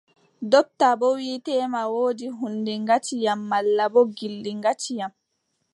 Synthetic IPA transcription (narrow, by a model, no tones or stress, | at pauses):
dɔp̚tabɔwiːtɛːmawoːdiɦundɛŋɡatijamːalːabɔɡildiŋɡatijam